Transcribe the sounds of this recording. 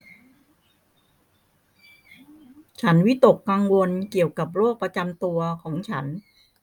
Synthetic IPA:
t͡ɕʰa˦˥nwi˦˥t̪o˨˩kːa˧ŋwo˧nki˨˩əwka˨˩p̚ɾoː˥˩k̚pɾa˧t͡ɕa˧mt̪u˧ɐkʰɔː˩˦ŋt͡ɕʰa˦˥n

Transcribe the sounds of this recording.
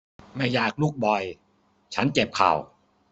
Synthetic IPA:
ma˥˩jːaː˨˩k̚luː˥˩k̚bɔ˨˩j | t͡ɕʰa˦˥nt͡ɕe˨˩p̚kʰa̰˨˩w

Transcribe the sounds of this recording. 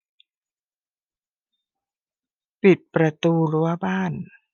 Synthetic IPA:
pi˨˩t̪̚pɾa˧t̪uː˧ɾu˦˥ɐbaː˥˩n

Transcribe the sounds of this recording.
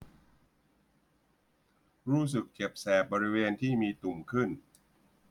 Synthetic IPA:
ɾuː˦˥˩s̬ɯ˨˩k̚t͡ɕe˨˩p̚sɛː˨˩p̚bɔː˧ɾi˦˥weː˧nt̪ʰiː˥˩miː˧t̪u˨˩mkʰɯ˥˩n

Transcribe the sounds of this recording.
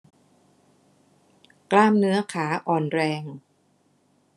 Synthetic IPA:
klaː˥˩mnɯ˦˥ɐkʰaː˩˦ʔɔː˨˩nɾɛː˧ŋ

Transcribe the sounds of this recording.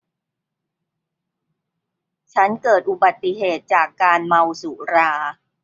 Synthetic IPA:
t͡ɕʰa˦˥nkɤː˨˩t̪̚ʔu˨˩ba˨˩t̪ːi˧˩ɦeː˨˩t̪̚t͡ɕaː˨˩kːaː˧nma˧wsu˨˩˦ɾaː˧

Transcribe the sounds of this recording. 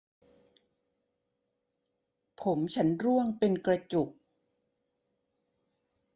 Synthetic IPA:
pʰo˩˦mt͡ɕʰa˦˥nɾu˥˩əŋpe˧nkɾa˧t͡ɕu˨˩k̚

